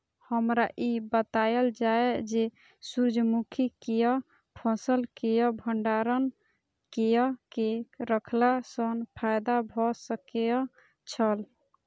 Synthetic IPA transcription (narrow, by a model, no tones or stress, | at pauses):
həmɾaʔibət̪ajəld͡ʒaed͡ʒe | suɾd͡ʒʱəmukʰikejɔ | pʰɔsəlkejɔbʱəɳɖaɾən | kejɔkeɾəkʰlasənpʰajd̪abʱɔsəkejɔ | t͡ʃʰəl